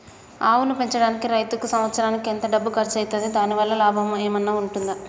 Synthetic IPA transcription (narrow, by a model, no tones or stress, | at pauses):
aːwunupeɲt͡ʃɐɽaːnikiɾɐjt̪ukusɐmʋɐt̪sɐɾaːnikient̪ɐɖɐbːukɐɾt͡ʃɐjt̪ɐd̪id̪aːniʋɐlːɐlaːbʱɐmeːmɐnːaːuɳʈund̪a